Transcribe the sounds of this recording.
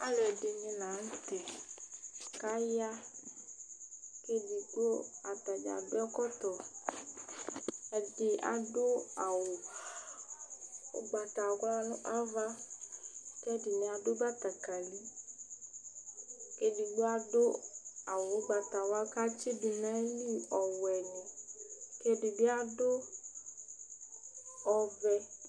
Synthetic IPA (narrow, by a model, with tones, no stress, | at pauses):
a̰˦lʊ˨ɛ˨dɪ˨nɪ̃˧nã˨˦n̩˦te˨ | ka˦ja˦ | ke˦di˨ɡ͡bo˦a˨ta˨d͡ʒa̰˨bɪ˦ɔ˦kɔ˦tɔ˨ | ɛ˨dɪ˨a̰˨dʊ˦a˨wʊ˨ | ʊ̰˦ɡ͡ba˨ta˨ɡʷa˦lʊ̃˦ʔa˦va˦ | kɛ˦dɪ˨nĩ˧a˧dʊ˦ɡ͡ba˦ta˨ka˨li˦ | ke˧di˨ɡ͡bʊ˦a˧dʊ˦a˨wo˨˦ɡ͡ba˨ta˨wa˧˦ka˦t͡ʃi˦bi˧nɛ˨˦li˦ɔ˨wɛ˨nĩ˨ke˧di˨bɪ˦a˦dʊ˦ | ɔ˧vɛ˧